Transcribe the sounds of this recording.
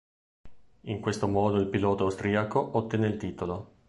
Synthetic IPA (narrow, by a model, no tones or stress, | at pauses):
iŋkwest̪omɔːd̪oilpilɔːt̪oawst̪ɾiːakoʔot̪ːɛːneilt̪iːt̪olo